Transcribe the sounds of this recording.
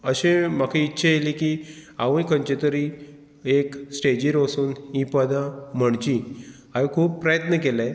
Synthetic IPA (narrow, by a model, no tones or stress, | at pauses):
əɕẽm̤akʰẽitːɕʰajelikiaʋə̃jkʰə̃ɲt͡ɕet̪əɾi | eksʈed͡ʑiɾəsuːnipəd̪ãm̤əɳt͡ɕi | aʋikʰuːppɾəjət̪nəkelẽ